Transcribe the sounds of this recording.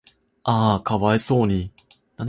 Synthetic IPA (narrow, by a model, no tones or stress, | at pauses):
aːkaβaeso̞ːɲ̟i | nan